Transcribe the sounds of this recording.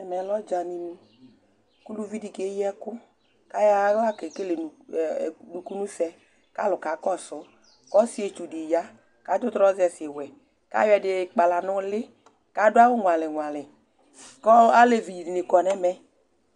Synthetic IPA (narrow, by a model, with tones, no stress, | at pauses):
ɛ˨mɛ˨˦lɔ˦d͡ʒa˨ni˨nũ˦ | ku˦lu˦vi˦di˨ke˨˦jɛ˦kʊ˦ | ka˦ja˦la˦ke˨ke˦le˨n˨ | nu˨ku˦nũ˦sɛ˦ | ka˦lʊ˨ka˨˦kɔ˦sɔ˨˦ | kɔ˦si˦e˨t͡ʃu˨di˨ja˦ | ka˨˦dʊ˦t̪ɾɔ˦zɛ˨sɪ˨e˨wɛ˨ | ka̰˦jwɛ˨dɪ˨k͡pa˨la˨nʊ˦lɪ˦ | ka˦dʊ˦a˦wʊ˦ŋwa˨lɪ˨ŋwa˨lɪ˨ | kɔ˦a˦le˨vi˨ji˨ni˨nɪ˨kɔ˨nɛ˦mɛ˦